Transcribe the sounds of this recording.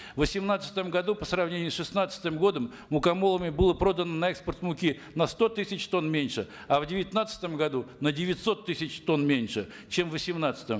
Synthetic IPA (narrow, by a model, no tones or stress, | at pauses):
vəsʲɪmnat̪sə̥t̪əmɡɐd̪upəsɾɐvnʲenʲɪjʊsʂɨsnat̪sə̥t̪ɨmɡo̞d̪əmːʊkɐmo̞lˠəmʲɪbɨlˠəpɾo̞d̪ənənɐɛkspərt̪mʊkʲi | nɐst̪o̞t̪ɨsʲɪt͡ɕt̪o̞nmʲenʲʂɨ | ɐvdʲɪvʲɪt̪nat̪sə̥t̪əmɡɐd̪unədʲɪvʲɪt̪ʲso̞t̪ːɨsʲɪt͡ɕt̪o̞nmʲenʲʂɨ | t͡ɕe̞mvəsʲɪmnat̪sə̥t̪əm